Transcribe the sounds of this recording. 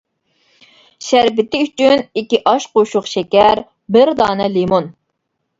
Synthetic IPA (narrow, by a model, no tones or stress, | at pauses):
ʃæɾbɪt̪ʰɪyt͡ʃynikʲːiʔɑʃqoʃʊχʃɛkʲɛɾ | bɪɾd̪ɑːnɛlimon